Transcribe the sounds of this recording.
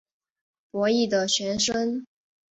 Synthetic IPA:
pwɔ˧˥i˥˩d̪ə˩ɕɥɛ˧˥nʂə˥n

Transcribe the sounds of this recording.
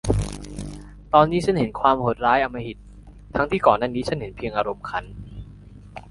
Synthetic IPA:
t̪ɔː˧nːiː˦˥t͡ɕʰa˥˨nhe˩˦nkʰwaː˧mho˨˩t̪̚ɾaː˦˥jʔa˧mːa˧hi˨˩t̪̚ʰː | a˦˥ŋt̪ʰiː˥˩kɔː˨˩nːaː˥˩niː˦˥t͡ɕʰa˥˩nhe˩˦npʰi˧əŋʔaː˧ɾo˧mkʰa˧n

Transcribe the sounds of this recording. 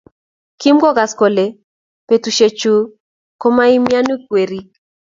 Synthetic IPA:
ki˦mɡɔ˦ɡa˨sko˨le˨ | pe˨tu˨ʃe˨t͡ʃu˨ | ko˦ma˦i˦mja˦nu˦kwe˨ɾi˦k

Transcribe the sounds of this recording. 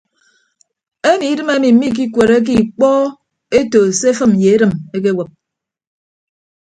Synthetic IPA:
e˦mi˨i˦dɨ˦me˦mi˨m̩˦mi˦k̬i˦kwe˨ɾe˦k̬i˦˨k͡pɔː˦ | e˦to˨se˦fɨ˦m˨je˨e˦ɾɨ˨me˦k̬e˦wə˨p̚

